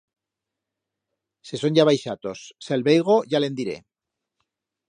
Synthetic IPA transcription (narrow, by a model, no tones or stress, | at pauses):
se̞so̞ɲʝaβajʃat̪o̞sːelβejɣ̞o̞ʝale̞nd̪iɾe̞̰